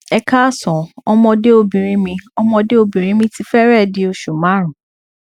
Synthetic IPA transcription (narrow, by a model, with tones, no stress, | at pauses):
ɛ˧ka˦˨sɔ̃˨ɔ˧mɔ̃˧de˦o˧bĩ˨ɾ̃ĩ˧˦mĩ˧ɔ˧mɔ̃˧de˦o˧bĩ˨ɾ̃ĩ˧˦mĩ˧ti˧fɛ˦ɾɛ˦˨di˧o˧ʃu˨mã˨˦ɾ̃ũ˨